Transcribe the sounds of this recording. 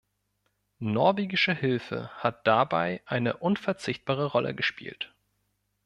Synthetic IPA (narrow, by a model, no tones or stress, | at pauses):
nɔɐveːɡɪʃəhɪlfə̰hat̚d̥aba̰ɪʔaɪnəʔʊnfɛɐt͡sɪçt̚b̥aːʁəʁɔlʔə̰ɡəʃpḭːlt